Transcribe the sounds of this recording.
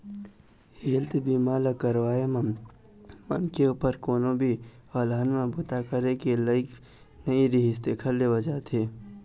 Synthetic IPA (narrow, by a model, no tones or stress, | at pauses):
heːlt̪biːmaːlakəɾwaːem | mənkeuːpəɾkoːnõbʱi | haːlaːnmẽbʊt̪akəɾekeləɪk | nɐiɾiɦɪst̪ekʰɐllewɐd͡ʒaːt̪ʰeː